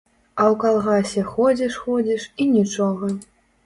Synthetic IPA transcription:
awkalˠɣasʲɛxɔd͡zʲiʂxɔd͡zʲiʂinʲit͡ʂɔɣɐ

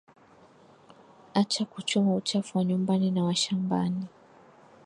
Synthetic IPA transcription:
at͡ʃakut͡ʃumaut͡ʃafuwaɲumbaninawaʃamba̰ni

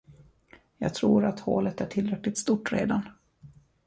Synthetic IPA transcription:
jɑːɡ̚t̪ʰɾuːɾat̪ho̰ːlət̪æʈʰɪlɾɛklɪkt̪st̪uʈɾḛːd̪an

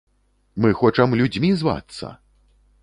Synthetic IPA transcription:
mɨxɔt͡ʂɐmlʲud͡zʲmʲizva̰t̪sːɐ̰

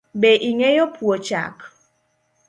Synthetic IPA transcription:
bɛʔiŋɛjɔpʰwot͡ʃa̰k

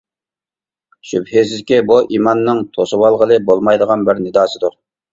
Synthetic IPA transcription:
ʃybhesɪzkʲɛbuʔimɑnːɨŋt̪ʰosɨwɑlˠʁəlˠɨbolˠmɑjd̪əʁɑnbɪɾnɪd̪ɑːsɨd̪uɾ

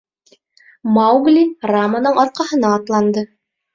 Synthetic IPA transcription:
mawɡlʲiramənɤɴɑɾ̚qɑhɤ̆nɑːt̪lˠɑnd̪ɤ

